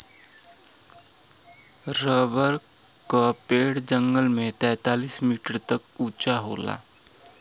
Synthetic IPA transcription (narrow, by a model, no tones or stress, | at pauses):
ɾəʋəɾ | ka | peːɽd͡ʒə̃ŋɡəlmẽt̪ɛ̃ːt̪aːliːsmiːʈəɾt̪ək | uːt͡ʃaɦoːla̰ː